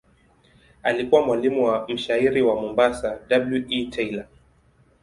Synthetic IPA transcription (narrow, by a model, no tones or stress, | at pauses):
alikuwamwalimuwam̩ʃaiɾiwamumbasadabljuʔitʰɛila